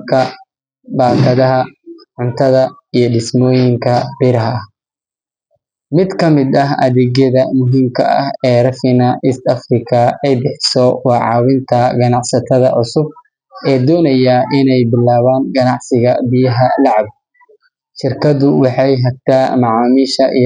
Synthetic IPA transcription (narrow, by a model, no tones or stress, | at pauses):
kʰɐ | baːkʰɐðɐɦɐʕʊnt̪ʰɐðɐ | ijɞɖɪsmɔːjɪŋkʰɐbɪɾɐɦɐɐh | mɪd̪kʰɐmɪd̪ɐɦɐðɛːɣjɐðɐmʊɦimkʰɐ̰ɐ̰hɛːrɐfɪnɐʔiːst̪ɐfrɪkʰɐɛjbɛħsɔwɑːʕɑ̰ːwɪnt̪ʰɐɡɐnɑʕsɐt̪ʰɐðɐʕʊsʊb̚ | ʔɛːd̪ɔːnɐjɐʔɪnɛjbɪlaːβaːŋɡɐnɑʕsɪɣɐbɪjɐɦɐlɑʕɑb̚ | ʃɪrkʰɐðʊwɑħɑjɦɐb̚t̪ʰaːmɑʕɑːmiːʃɐʔḭ